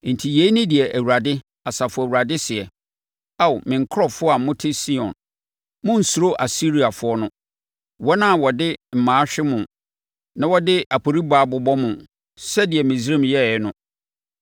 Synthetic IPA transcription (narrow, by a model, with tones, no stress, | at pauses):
n̩˨tʰi˨je˨˦nɪ̃˦dɪ˨ɛ˨ʔæ˨wu˨ɾa˨dɪ˦ | a˨sa˨fʊ˨˦˨æ˨wu˨ɾa˨dɪ˦sɪ˨ɛ˨ | a˦˨wmɪ̃˨ŋ̩˨kʰɾɔ˦˨fʊ˦ɔ˦a˨m̩˦mʊ̃˦tʰɪ˦si˦ɔ̰̃˨n | mʊ̃˦n̩˨su˨ɾo˦ʔa˨si˦ɾi˨a˨fʊ˦ɔ˦nʊ̃˦ | wɔ˦nã˦˨wɔ˨dɪ˦m̩˨mãː˨˦ɕᶣɪ˦mʊ̃˨ | nã˦wɔ˦dɪ˦ʔa˨pʰo˨ɾi˦baː˨bʊ˨bɔ˦mʊ̃˨ | sɛ˦dɪ˨ɛ˨mɪ̃˨sɾẽ˦˨mjɛ˦˨˦nʊ̃˦